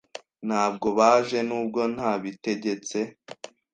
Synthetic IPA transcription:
n̥haːbɡo̞βaːʒe̞nuːb̚ɡo̞n̥haːβite̞ɟe̞t͡se̞

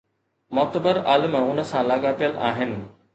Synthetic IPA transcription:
mɔːt̪əbəɾaːlɪmʊnə̆sãlaːɠaːpijəla̰ːɦɪnɪ̆

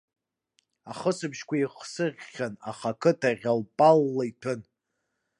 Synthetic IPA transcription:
aχəsɨbʃkʷʰaiχsɨrʲːana̰χakʰɨtʰaʁʲalpʼalːaitʰɨn

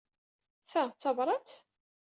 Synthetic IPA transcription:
θæt͡sːɑvɾˤɑt͡s

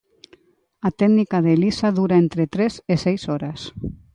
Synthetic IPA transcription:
at̪ɛɡnikaðelisaðuɾaent̪ɾet̪ɾesesɛjsɔɾas

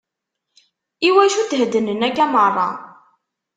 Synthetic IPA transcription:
iwæʃud̪ɦəd̪ːənənækːæmərˤːɑ̰

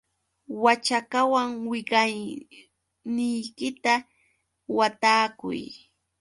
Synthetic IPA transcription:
wat͡ʃakawaŋwɪɢaj | nɪjkɪt̪a | wat̪aːkʊ̰j

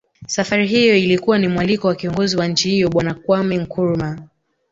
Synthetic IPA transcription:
safaɾiɦijɔilikuwanimwalikɔwakiɔŋɡɔziwaɲ̩t͡ʃihijɔɓwanakwamɛŋ̩kuɾma

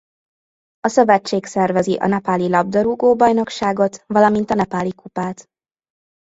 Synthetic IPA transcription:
ɒsɒbɛt͡ʃːeːksɛrvɛziʔɒ̰nɛpaːlilɒb̚d̪ɒɾuɡoːbɒjno̞kʃaːɡo̞t̪ʋɒlɒmint̪ɒnɛpaːlikupaːt̪

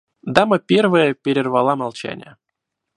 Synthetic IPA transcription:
d̪ɑməpʲervəjəpʲeɾʲɪrvɑlˠɑmɑlˠt͡ɕæ̰nʲə̰

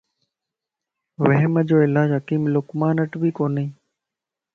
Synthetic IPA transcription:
ʋəɦɪməd͡ʑoːɪlaːd͡ʑɦəkiːmlʊkmaːnəʈbʱiːkoːniiː

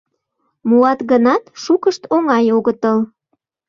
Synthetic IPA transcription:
muɑt̪ɣənɑt̪ʃukəʃt̪oŋɑjoɣət̪əl

